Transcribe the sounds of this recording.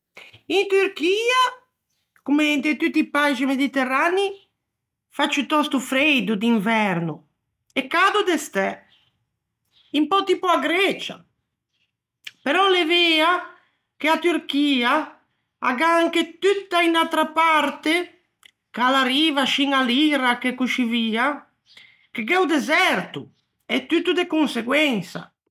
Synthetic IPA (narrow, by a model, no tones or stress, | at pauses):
int̪yɾkiːa | kument̪et̪ut̪ːipaʒimed̪it̪erani | fat͡ʃːut̪ɔst̪ufɾejd̪ud̪iɱvɛɾnu | ekːad̪ud̪est̪ɛ | impɔt̪ipuaɡɾɛt͡ʃa̰ | peɾɔleveːa | keat̪yɾkiːa | a̰ɡaŋket̪yt̪ːainalt̪ɾapaɾt̪e | kalaɾiːvaʃiŋaliɾakekuʃiviːa | keɡɛwd̪ezɛɾt̪u | ɛt̪ːyt̪ːud̪ekunseɡwɛnsa̰